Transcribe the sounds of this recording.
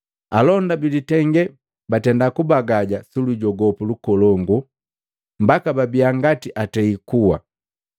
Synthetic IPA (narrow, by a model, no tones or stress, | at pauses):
alɔndabilitɛŋɡɛ | batɛndakubaɡaɟasuluɟɔɡɔpulukɔlɔŋɡu | mbakababiaŋɡatiʔatɛikuwa̰